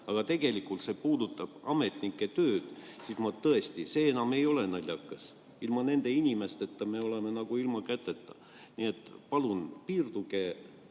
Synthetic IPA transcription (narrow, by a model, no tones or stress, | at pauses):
ɑɡ̥ɑt̪e̞ɡ̥e̞likˑult̪se̞puːd̪ut̪ːˑɑb̥ɑ̰me̞t̪nikːˑe̞t̪øːd̪̥ | sismɑt̪ːɤest̪ise̞ːenɑme̞jo̞le̞nɑlʲːjɑkːˑɑs | ilmɑne̞nd̪e̞inʲime̞st̪e̞t̪ːɑme̞o̞le̞menɑɡ̥uilmɑkæt̪ˑːe̞t̪ːˑɑ̥ | nie̞t̪ːˑpɑlunpiːrd̪uɡ̥e̞